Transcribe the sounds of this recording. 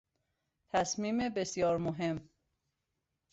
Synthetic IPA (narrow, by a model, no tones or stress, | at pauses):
t̪ʰæsmiːmebesjɒːɾmoɦe̞m